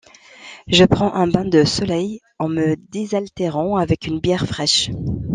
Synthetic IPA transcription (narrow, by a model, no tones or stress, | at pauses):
ʒəpχɑ̃ʔɛ̃bɛ̃d̪əsɔlɛj | ɑ̃məd̪ezalt̪eʁɑ̃avɛkynbjɛʁfχɛʃ